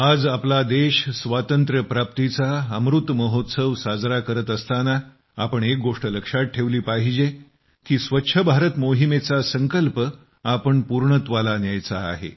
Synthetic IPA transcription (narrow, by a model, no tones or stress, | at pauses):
ad͡zaplad̪eɕsʋat̪ənt̪ɾəpɾap̚t̪it͡saəmɾut̪məɦot̪səʋsad͡zɾakəɾət̪əst̪ana | apəɳek̚ɡoʂʈələkʂaʈ̚ʈʰeʋliːpaɦid͡ʑe | kiːsʋətːɕʰəbʱaɾət̪moɦimet͡sasəŋkəlpə | apəɳpuɾɳət̪ʋalanjajt͡sa̰ːɦḛ